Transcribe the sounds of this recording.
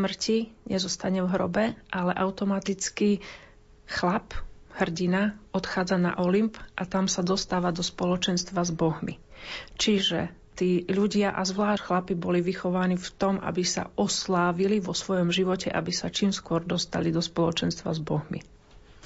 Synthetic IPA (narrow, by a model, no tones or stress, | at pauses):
smr̩ciɲɛzɔst̪aɲɛvɦɾɔ̰bɛʔalɛʔaʊt̪ɔmat̪it͡ski | xlaphr̩ɟinaɔt̪xaːd͡zana̰ʔɔlimpʔat̪amsad̪ɔst̪aːʋad̪ɔspɔlɔt͡ʃɛnst̪ʋazbɔɦmḭt͡ʃiʒɛ̰ | t̪iːʎuɟɪaʔazʋlaːʃxlapibɔliʋixɔʋaːnift̪ɔmʔa̰bisa̰ʔɔslaːʋiliʋɔsʋɔjɔmʒiʋɔcɛ̰ʔa̰bisat͡ʃiːmskʊɔɾd̪ɔst̪a̰lid̪ɔspɔlɔt͡ʃɛnst̪ʋa̰zbɔɦmḭ